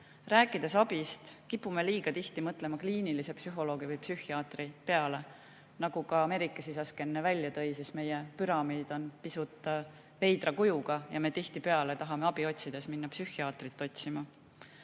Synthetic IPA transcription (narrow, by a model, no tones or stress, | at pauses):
ræːkːˑid̪̥e̞sɑb̥ist̪kipːˑume̞liːɡ̥ɑt̪iht̪imɤt̪ːˑle̞mɑkliːnilise̞psyɦo̞lo̞ːɡ̥ivɯjpsyhiɑːt̪ripe̞ɑle̞ | nɑɡ̥ukɑɑme̞ɾikːˑɑsisɑske̞nːevælʲjɑt̪ɤ̞jsisme̞jepyɾɑmiːd̪̥o̞npisut̪ːˑɑ | ve̞jd̪̥rɑkujuɡ̥ɑjɑme̞t̪iht̪ipe̞ɑle̞t̪ɑɦɑme̞ɑb̥io̞t̪ʲsid̪̥e̞sminːɑpsyhiɑːt̪rit̪ːˑo̞t̪ʲsimɑ